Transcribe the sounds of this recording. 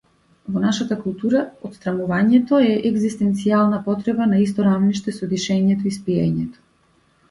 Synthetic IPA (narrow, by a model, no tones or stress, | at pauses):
vɔnaʃat̪akulˠt̪uɾaɔt̪st̪ɾamuvaɲɛt̪ɔɛʔɛɡzist̪ɛnt̪sialˠnapɔt̪ɾɛbanais̬t̪ɔɾavniʃt̪ɛsɔd̪iʃɛɲɛt̪ɔispiɛ̰ɲɛt̪ɔ̥